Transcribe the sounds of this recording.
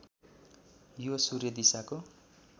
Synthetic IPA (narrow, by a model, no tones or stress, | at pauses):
josurjʌd̪isako